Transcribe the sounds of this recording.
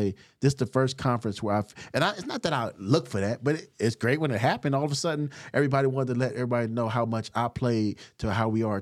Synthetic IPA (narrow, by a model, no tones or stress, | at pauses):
ɪðɪsðɨfɜ˞skʰɑ̃ɱfɹɨ̃nswə˞aɪɨ̃naɪɪtsnət̪̚ðɨɾaɪlʊkfə˞ðæt̚b̥ʌɾɪtsɡ̥ɹeɪt̚wə̃nɨt̚ɦæpɨ̃ɔlˠʌvəsʌdⁿn̩ʔɛvɹibɑɾiwɑ̃ntɨlɛɾɛvɹibɑɾinoʊɦaʊmʌt͡ʃaɪpʰl̥eɪɾəɦaʊwiə˞